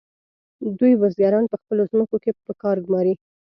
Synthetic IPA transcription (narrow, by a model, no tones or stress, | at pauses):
d̪ujwazɡaɾɑnpəxpəlozməkokepəkɑɾɡumɑɾi